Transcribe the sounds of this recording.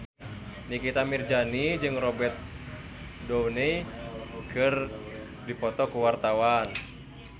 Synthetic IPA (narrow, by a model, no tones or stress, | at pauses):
nikit̪amird͡ʒanid͡ʒɨŋrɔbɛrt̪̚ | dɔwnɛ | kɨr | dipɔt̪ɔkuwart̪awan